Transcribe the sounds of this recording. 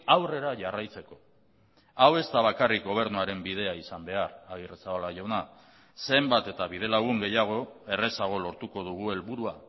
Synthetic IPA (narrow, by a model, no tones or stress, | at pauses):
awre̞ɾaʝarajt͡se̞ko̞ | awe̞st̪aβ̞akarik̚ɡo̞β̞e̞ɾnuaɾe̞mbið̞e̞aisambe̞araɣiresaβalaʝawna | se̞mbat̪e̞t̪aβið̞e̞laɣ̞uŋɡe̞jaɣ̞o̞e̞re̞saɣ̞o̞lo̞ɾt̪uko̞ðuɣ̞ue̞lβuɾua